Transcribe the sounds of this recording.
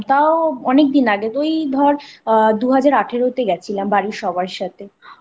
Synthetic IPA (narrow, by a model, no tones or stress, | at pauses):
t̪aoɔnek̚d̪inaɡet̪ojd̪ʱɔɾd̪uɦad͡ʑaɾaʈʰeɾoɦot̪eɡɛt͡ɕʰilambaɾiɾʃɔbaɾeʃat̪ʰe